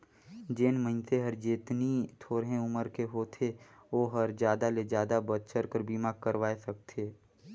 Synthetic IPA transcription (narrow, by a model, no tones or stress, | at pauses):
d͡ʒeːnmə̃ɪnseɦəɾd͡ʒeːt̪nit̪ʰoːɾɦẽʊməɾkeɦoːt̪ʰeʋoːɦəɾd͡ʒjaːd̪aled͡ʒjaːd̪abət̪̚t͡ʃəɾkəɾbiːmaːɡkəɾʋaːesək̚t̪ʰeː